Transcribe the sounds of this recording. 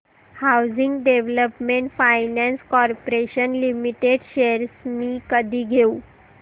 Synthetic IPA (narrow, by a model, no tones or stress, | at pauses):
hawd͡ziŋɡɖeʋləpmeɳʈfajnæ̃nskɔɾpoɾeɕənlimiʈeɖɕeɾsmiːkəd̪ʱiːɡʱeu